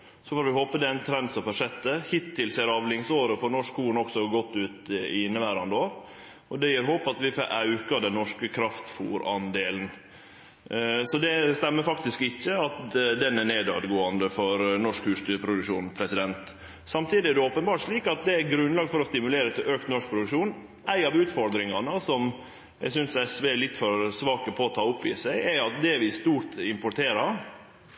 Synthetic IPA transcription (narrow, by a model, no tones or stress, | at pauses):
sɔfoːɾʋɪhoːpəd̪ɛnt̪ʰɾɛnd̪sɔmfɔʂɛt̪ːəhɪt̪ʰːɪlseːɾɑːʋlɪŋsoːɾəfɔɾɳɔʂkhuːɳɔksɔɡɔt̪ːʉːt̪ɪɪnːəʋæːɾɑnd̪o | ɔd̪ɛjiːɾɦoːpɑt̪ʋɪfɔʔɑʉkɑd̪ɛnnːɔʂkəkʰɾɑft̪fṵːɾɑ̰nd̪eːln̩ | sɔd̪ɛst̪ɛmːəɾfɑk̚t̪ɪskɪçːəɑt̪d̪ɛnæɳeːd̪ɑ̰ːd̪ɡoːɑnd̪əfɔɾnɔʂkhʉːst̪ypʰɾʊd̪ʉkʂṵːnpʰɾɛsɪd̪ɛnt̪ | sɑmt̪ʰiːd̪ɪɛd̪ɛoːpənbɑːʈʂɭiːkɑt̪̚d̪ɛæɡɾʉnlɑːɡfɔɾɔst̪ɪmʉleːɾət̪ʰɪløːkt̪nɔʂk̚pʰɾʊd̪ʉkʂuːn | ʔæɪɑʋʉːt̪fɔɾd̪ɾɪŋɑnəsɔm | jæ̰ɡsʏnsæɛsʋelɪt̪ːfɔɾsʋɑːkəpʰɔːt̪ʰɑːʊpːʋiːsæɪæɑt̪̚d̪ɛʋɪst̪uːt̪ɪmpʊʈ̪ʰeːɾɑɾ